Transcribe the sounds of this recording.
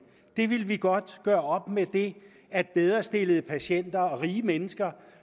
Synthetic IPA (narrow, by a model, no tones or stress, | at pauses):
d̥e̝ʋe̝lʋiɡ̥ɒ̽d̥ɡ̥ɶːɐɒ̽b̥med̥e̝ | æd̥̚b̥eð̞ˠʁɐsd̥e̝ləð̩ˠpʰæɕen̰d̥ɐɒ̽ʁiːəmenəsɡ̥ɐ